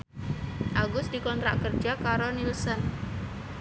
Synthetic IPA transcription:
ʔaɡʊsd̥̪ikɔnt̪ɾa̰ʔkər̥d͡ʒakaɾonilsɔn

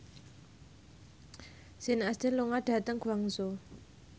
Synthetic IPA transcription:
senast̪enloŋaʈ͡ʂat̪aŋkʰuwaŋzo

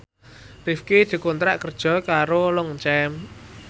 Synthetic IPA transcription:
rifkid̪̥i̤kont̪ɾaʔkərd̥ʒ̥ɔ̤kaɾolɔŋt͡ʃɛm

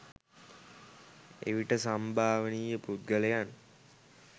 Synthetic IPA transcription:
ḛʋiʈəsambʱaːʋəniːjəpɾut̪̚ɡəlejan

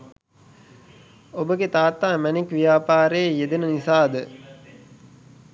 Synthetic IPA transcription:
obəɡet̪aːt̪ːaːmænikʋijaːpaːɾeːjed̪ənənisaːd̪ə

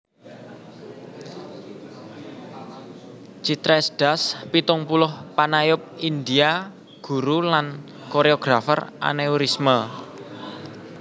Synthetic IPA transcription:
t͡ʃit̪ɾɛsd̥a̤spit̪ʊŋpulʊhpanajʊp̚ind̪ia | ɡ̥ṳɾulan | koɾeoɡ̥ɾafə̰rʔa̰neuɾismə

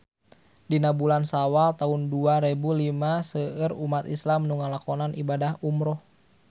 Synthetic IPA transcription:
dinabulansawalt̪aunduaɾebulimasəərumat̪islamnuŋalakɔnanibadaɦumɾɔh

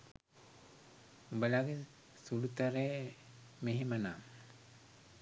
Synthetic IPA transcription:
ubəlaɡe | sulut̪aɾeː | meɦimana

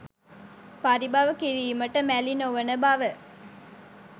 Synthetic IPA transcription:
pɐɾibaʋɐkiɾijumɐʈːəmælinoʋɐnəbaʋə

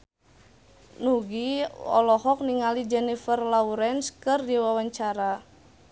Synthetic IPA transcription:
nuɡiɔ̰lɔɦɔk̚niŋalid͡ʒɛnifərlauɾɛnskɨrdiwawaɲt͡ʃaɾa

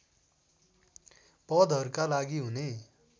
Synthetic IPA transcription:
pʌd̪ʱʌɾkalaɡiɦune

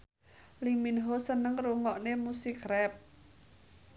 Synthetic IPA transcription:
liminɦosənəŋruŋɔʔnemusɪkrɛp̚

